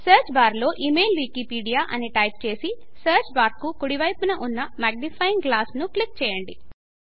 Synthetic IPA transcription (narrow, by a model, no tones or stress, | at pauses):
sɐːɾt͡ʃbaːɾlo̞ːʔimejlʋiːkipiːɖijaːʔɐniʈɐjp̚t͡ʃe̞ːsi | sɐːɾt͡ʃbaːɾkukuɽiʋɐjpunɐʔunːɐmaːɡ̚nipʰɐjiŋɡɡlaːsnuklik̚t͡ʃɛːjɐɳɖi